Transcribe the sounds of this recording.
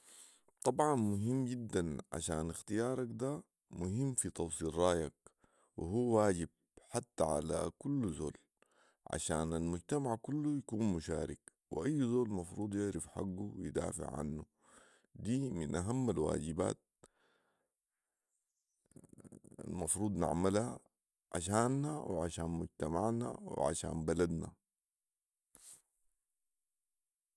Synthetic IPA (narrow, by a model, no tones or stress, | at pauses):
t̪ˤɑbʕɑnmʊɦimːɟid̪ːanʕa̰ʃaːnxt̪ijɑːɾˤɑkd̪a | mʊhimːfit̪ˤɑwsˤiːɾˤɑːjak̚ | wḭɦuːwaːɟib̥̚ħat̪ːaʕa̰la̰kulːzo̰ːl | ʕa̰ʃaːnalmʊɟt̪amaʕkulːujakuːnmʊʃaːɾɪk | wḭʔajːzoːlmɑfɾuːd̪ˤjɪʕɾɪfħa̰ɡːuwjd̪a̰ːfɪ̰ʕʕa̰nːu | d̪iːminʔaɦamːalwa̰ːd͡ʒiba̰ːt̪̚ | a̰lmɑfɾuːd̪ˤna̰ʕmalha | ʕa̰ʃaːnːawiʕaʃaːnmud͡ʒt̪amaʕna̰w̰ʕa̰ʃa̰ːnbalad̪na̰